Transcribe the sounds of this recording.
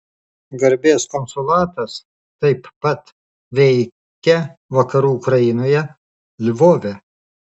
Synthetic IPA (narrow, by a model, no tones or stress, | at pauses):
ɡɐɾʲbʲeːskɔnsʊlˠɑːt̪ɐs | t̪ɐɪpːɐt̪ | ʋʲɛɪ | kʲɛʋɐkɐɾuːʊkɾɐjɪnoːjɛ | lʲʋoːʋʲɛ